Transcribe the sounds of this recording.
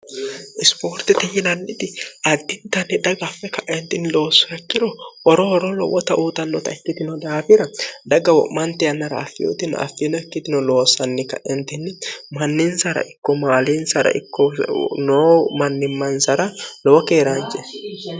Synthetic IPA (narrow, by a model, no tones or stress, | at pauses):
ʔɪspoːɾt̪ɪt̪ɪhɪnɐnːɪt̪ɪɐd̪ːɪnt̪ɐnːɪd̪ɐɡɐfːɛkɐʔɛnt̪ɪnɪlo̞ːsːɔɛkːɪɾɔɔɾɔɔɾɔlɔ̰wɔt̪ɐʔuːt̪ɐnːɔt̪ɐɛkːɪt̪ɪnɔd̪aːfɪɾɐd̪ɐɡɐwɔ̰ʔmɐnt̪ɛjɐnːɐɾɐ̰ːfːɪjo̰t̪ɪn̰ɐ̰fːinɔɛkːɪt̪ɪnɔlo̞ːsːɐnːɪkɐʔɛnt̪ɪnːɪmɐnːɪnsɐɾɐ̰ʔɪkːɔmaːlinsɐɾɐ̰ʔɪ̰kːɔnoːmɐnːɪmːɐnsɐɾɐlɔwɔkeːɾaːnd͡ʒɛ